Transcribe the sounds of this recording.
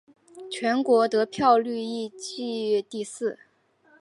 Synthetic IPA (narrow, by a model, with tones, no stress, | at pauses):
t͡ɕʰɥɛ˧˥nkwɔ˧˥t̪ɤ˧˥pʰjɑ˥˧ʊly˥˧i˥˧t͡ɕi˥˧t̪i˥˧sɹ̩˥˩